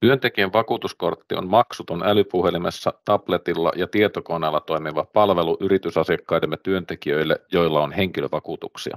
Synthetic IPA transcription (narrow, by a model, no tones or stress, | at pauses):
t̪yønt̪e̞kieʋʋɑkuːt̪usko̞rt̪ːio̰nmɑksut̪onælypuhe̞limesːɑt̪ɑplet̪ilːɑ̰jɑt̪iet̪okoneːlːɑt̪o̞imiʋɑpɑlʋe̞luʔyɾit̪ysɑsiɑkːɑjdemjɑt̪yønt̪ekiøilːejo̞ilːɑonhe̞ŋkiløʋɑkuːt̪uksḭɑ̰